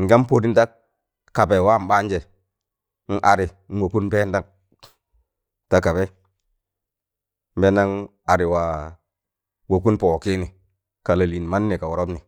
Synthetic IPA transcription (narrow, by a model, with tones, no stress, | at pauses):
ŋ̩˨ɡa˦m˦po˨di˦n˦ta˦ | ka˨be˨wa˦m˦ba˦n˦d͡ʒe˨˦ | n̩˦ʔa˨ɾi˨˦n̩˦wo˨ku˦npe˦n˦da˦ŋ | ta˦ka˨bɛ˦ | m̩˦be˦na˦ŋ | a˨ɾi˨wa˨ | wo˨ku˦npo˨ki˦ni˨ | ka˨la˨li˨n˨ma˦nːi˨ka˨wɔ˨ɾo˦bni˨